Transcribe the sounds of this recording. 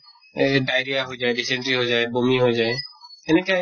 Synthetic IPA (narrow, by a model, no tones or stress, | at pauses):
ɖajɾijaɦojd͡ʒajɖisɛɳʈɾiɦojd͡ʒaebomiɦojd͡ʒaeɛnɛkaj